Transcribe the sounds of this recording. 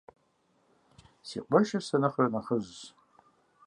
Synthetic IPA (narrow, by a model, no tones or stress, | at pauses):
sḭqʷaʃasanɨχranaχəzʷː